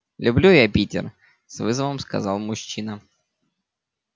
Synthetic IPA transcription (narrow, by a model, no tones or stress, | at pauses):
lʲʊblʲujapʲitʲɪ̰r | svɨzəvəmskɐ̰zɑlˠmʊɕːinə